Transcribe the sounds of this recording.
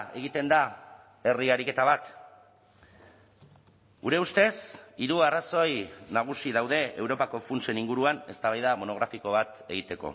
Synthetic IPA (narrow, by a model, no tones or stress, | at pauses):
e̞ɣ̞it̪e̞nd̪a | e̞riaɾike̞t̪aβ̞at̪ | ɡuɾe̞ust̪e̞siɾuaraso̞jnaɣ̞usiðawð̞e̞ewɾo̞pako̞funt͡se̞niŋɡuɾuane̞st̪aβajðamo̞no̞ɣ̞ɾafiko̞β̞at̪e̞ɣ̞it̪e̞ko̞̰